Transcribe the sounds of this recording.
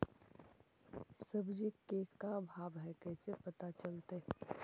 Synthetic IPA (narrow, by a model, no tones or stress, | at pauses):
sɐbd͡ʒɪkːekãbʱaːbɦɛkɛːsepɐt̪at͡ʃɐlt̪eɦɛ